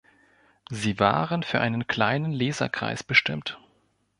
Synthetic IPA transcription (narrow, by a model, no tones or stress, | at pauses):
ziːva̰ːʁənfyːɐʔaɪnənkʰl̥aɪnənleːzɐ̰kʁ̥a̰ɪsb̥əʃtɪmt